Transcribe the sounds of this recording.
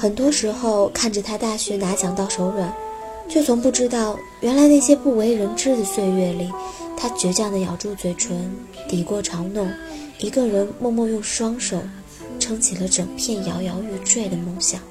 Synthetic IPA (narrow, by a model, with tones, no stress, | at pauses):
xə˨˩nt̪wɔ˥ʂɻ̩˧˥xo˥˧ʊkʰa˥˩nʈ͡ʂə˩t̪ʰa˥t̪a˥˩ɕɥɛ˧˥na˧˥t͡ɕjɑ˨˩ŋt̪ɑ˥˩ʊʂo˧˥ʊɻə˨˩˦n | t͡ɕjo˥˩ʊt͡sʰʊ˧˥ŋpu˥˩ʈ͡ʂɻ̩˥t̪ɑ˥˩ʊ | ɥʔɛ˧˥nla˧˥ɪna˥˩ɪɕjɛ˥pu˥˩we˧˥ɪɻə˧˥nʈ͡ʂɻ̩˥d̪ə˨swe˥˧ɪɥɛ˥˧li˥˩t̪ʰa˥t͡ɕɥɛ˧˥t͡ɕjɑ˥˩ŋd̪ə˩jɑ˨˩ʊʈ͡ʂu˥˩t͡swe˨˩ɪʈ͡ʂʰwə˧˥n | t̪i˨˩kwɔ˥˩ʈ͡ʂʰɑ˧˥ŋnʊ˥˩ŋ | i˧˥ɡə˧ɻə˧˥nmwɔ˥˧mwɔ˥˧jʊ˥˧ŋʂwɑ˥ŋʂo˨˩ʊ | ʈ͡ʂʰɤ˥ŋt͡ɕʰi˨˩lə˧˦ʈ͡ʂɤ˨˩ŋpʰjɛ˥˩njɑ˧˥ʊjɑ˧˥ʊy˥˧ʈ͡ʂwe˥˩ɪd̪ə˩mʊ˥˩ŋɕjɑ˨˩˦ŋ